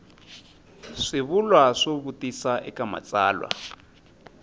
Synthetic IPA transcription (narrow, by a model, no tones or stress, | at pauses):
ʂiβulwaʂoβutisaʔɛkama̰t͡sʼa̰ːlwa̰